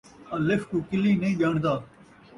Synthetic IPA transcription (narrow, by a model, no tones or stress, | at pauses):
ãːlɪfkuːkɪlĩːnɐĩːʄaːɳ̃d̪aː